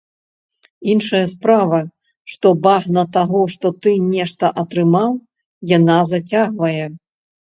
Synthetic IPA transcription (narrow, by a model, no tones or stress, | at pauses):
inʂɐjɐspɾavɐ | ʂt̪ɔbaɣnɐt̪aɣɔʂt̪ɔt̪ɨnʲɛʂt̪ɐʔɐt̪ɾɨmaw | janazɐt͡sʲaɣvɐjɛ